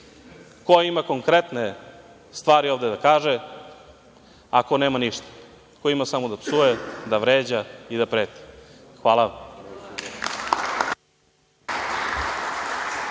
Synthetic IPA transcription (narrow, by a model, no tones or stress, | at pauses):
kojimako̞ŋkɾet̪ne | st̪ʋaːɾiovd̪ed̪akaːʒe | akoneːmaniʃt̪ḁ | kojimasamod̪apsujed̪aʋɾeːd͡ʑaid̪apɾeːt̪i̥xʋaːlˠa